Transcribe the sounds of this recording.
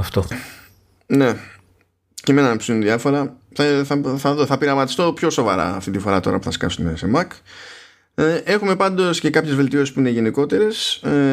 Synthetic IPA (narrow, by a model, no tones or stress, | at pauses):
ɐft̪o | ne̞ | cemenɐpsuunðiɐfo̞ɾɐθɐθɐθɐðoθɐpiɾɐmɐt̪i̥st̪o̞pço̞so̞vɐ̰ɾɐ̰ːft̪int̪ifo̞ɾɐt̪o̞̰ɾɐ̰pu̥θɐskɐ̰sume̞̰se̞mɐk | ʔe̞xume̞pɐnd̪o̞sce̞kɐpçe̞zve̞lt̪io̞sispuine̞ʝe̞niko̞t̪e̞ɾe̞s